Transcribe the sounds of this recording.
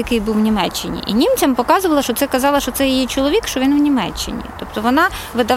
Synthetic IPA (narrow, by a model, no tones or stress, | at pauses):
jɐkɪjbuwnʲimɛt͡ʃːɪnʲḭʔḭnʲimt͡sʲɐmpɔkɑzʊʋɐlˠɐʃt͡ʃɔt̪sɛkɐzɑlˠɐʃt͡ʃɔt̪sɛjijit͡ʃɔlˠɔʋʲikʃt͡ʃɔʋʲinwnʲimɛ̰t͡ʃːɪ̰nʲḭt̪ɔpt̪ɔʋɔnɑʋɪd̪ɐ